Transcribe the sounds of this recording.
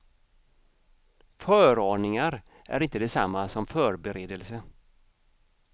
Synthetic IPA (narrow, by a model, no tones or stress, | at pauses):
fœːɾoːɳɪŋaɾ | ʔæ̰ɾɪnt̪əd̪ɛsa̰mːasɔmfœːɾbɛɾeːd̪əlsə